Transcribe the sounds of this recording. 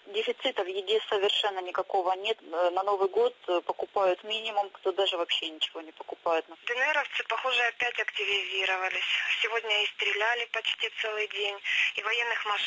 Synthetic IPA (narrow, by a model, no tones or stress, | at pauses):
dʲɪfʲɪt̪sɨt̪əvjɪdʲesəvʲɪrʂɛnːənʲɪkɐko̞vənʲe̞t̪nɐno̞vɨjɡo̞t̪pəkʊpajʊt̪mʲinʲɪmʊmkt̪od̪aʐɨvɐpɕːenʲɪt͡ɕɪvo̞nʲɪpəkʊpajʊt̪nd̪ɨnɨɛɾəft̪sɨpɐxoʐɨɐpʲætʲɐktʲɪvʲɪzʲiɾəvəlʲɪsʲsʲɪvodʲnʲəist̪ɾʲɪlʲælʲɪpɐt͡ɕtʲit̪sɛlˠɨjdʲenʲivɐjenːɨxmɐʂ